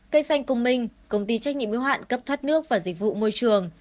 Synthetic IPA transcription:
kə˧˥jsa˧jŋ̟kʊ˨˧ŋ͡mmï˧˩ŋ̟kə˧wŋ͡mt̪i˧t͡ɕa˦˥k̚ɲḭ˧˨əmʔi˧˦wɦa̰ː˧˨nkə˦˥p̚t̪ʰwə˦˥t̚nɨ˦˥ək̚vaː˨˩zï˨˩k̟̚vṵ˧˨mo˧jt͡ɕɨ˨˩əŋ

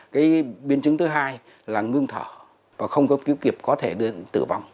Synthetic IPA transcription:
kaː˨˦jɓi˨˦ənt͡ɕɨ˨˦ŋt̪ɨ˨˦ɦaː˧j | laː˨˩ŋɨ˧əŋt̪ʰəː˧˩ | vaː˨˩xə˧wŋ͡mkɔ˨˦ki˨˦əwki˨˩əp̚kɔ˨˦t̪ʰe˧˩ɗɨ˧ət̪ɨ̰˧˩va˧wŋ͡m

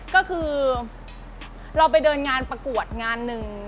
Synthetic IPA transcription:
kɔː˥˩kʰɯː˧ | ɾa˧wp̬a˧jdɤː˧nŋaː˧npɾa˧ku˨˩ət̪̚ŋaː˧nːɯ˨˩ŋ

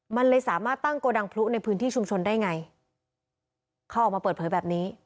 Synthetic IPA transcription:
ma˧nlɤː˧jsaː˩˦maː˥˩t̪ːa˥˩ŋkoː˧da˧ŋpʰlu˦˥na˧jpʰɯː˦˥nt̪ʰiː˥˩u˧mt͡ɕʰo˧ndaː˥˩jŋa˧j | kʰa˦˩wʔɔː˨˩k̚ma˧pɤː˨˩t̪̚pʰːbɛː˨˩p̚niː˦˥

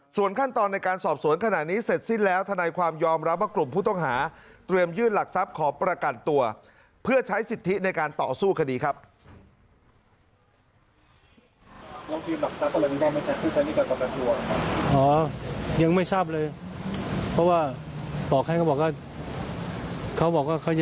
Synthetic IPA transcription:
su˨˩ənkʰa˥˩nt̪ɔː˧nːa˧jkaː˧nsɔː˨˩p̚su˨˩˦ənkʰa˧na˨˩ʔ̚niː˦˥se˨˩t̪̚si˥˩nlɛː˦˥wt̪ʰa˧naː˧jkʰwaː˧mjɔː˧mɾa˦˥p̚waː˥˩klu˨˩mpʰuː˥˩t̪ɔ˥˩ŋɦaː˩˦t̪ɾi˧əmjɯː˥˩nla˨˩k̚sa˦˥p̚kʰɔː˩˦pɾa˧ka˨˩t̪ːu˧ɐ | pʰɯ˥˩ɐt͡ɕʰa˦˥jsi˨˩t̪ʰːi˦˥na˧jkaː˧nt̪ɔː˨˩suː˥˩kʰa˧diː˧kʰa˦˥p̚ | la˧ŋt̪ʰiː˧mla˨˩k̚sa˦˥p̚ːlːni˧a˧˥˩ma˥˩t͡ɕʰa˦˥˩pʰuː˥˩t͡ɕʰa˦˥jniː˥˩pɾa˧˩kɔ˨˩ka˧nt̪u˧ɐna˦˥˩kʰa˦˥ʔɔː˩˦ja˧ŋma˥˩jsaː˥˩p̚lɤː˧j | pʰɔ˦˥waː˥˩ | bɔː˨˩k̚ha˥˩jkʰa˥wbɔː˨˩k̚waː˥˩ | kʰa˦˥wbɔː˨˩k̚waː˥˩kʰa˦˥˩wj

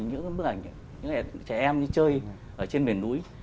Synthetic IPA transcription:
ɲɨ̰˧˥ɓɨ˦˥k̚ʔa˨˩ŋ̟ | ɲɨ̰˧˥ŋʔɛ˧˩t͡ɕɛ˧˩ʔɛ˧mɲɨ̰˧˥t͡ɕəː˧j | ʔəː˧˩t͡ɕe˧nɓi˨˩ənɗu˨˦əj

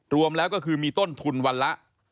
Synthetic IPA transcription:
ɾu˧əmlɛː˦˥wkɔ˥˩kʰɯː˧miː˧t̪o˥˩nt̪ʰu˧nwa˧nla˦˥ʔ

